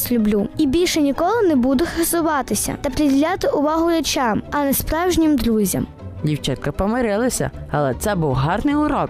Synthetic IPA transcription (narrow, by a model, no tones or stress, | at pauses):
sʲlʲʊblʲuibʲilʲʃɛnʲikɔlˠɪnebud̪ʊxɐsʊʋɑt̪ɪsʲɐ̰t̪ɐpɾʲɪdʲɪlʲat̪ɪʔʊʋɑɦʊɾʲɛt͡ʃɑmɐnɛspɾɑwʒnʲimd̪ɾuzʲɐ̰m | dʲiwt͡ʃɛnkɐpɔmeɾɪlˠɐsʲɐ̰ɐlˠɛt̪sɛbuwɦɑrnɪjʊɾɔk̚